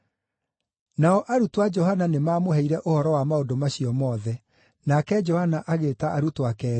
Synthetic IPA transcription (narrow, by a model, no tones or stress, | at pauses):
naɔʔaɾutwad͡ʒɔhananemaːmohɛiɾɛʔohɔɾɔwamaodomaɕiɔmɔːðɛ | nakɛd͡ʒɔhanaʔaɣetaʔaɾutwakɛ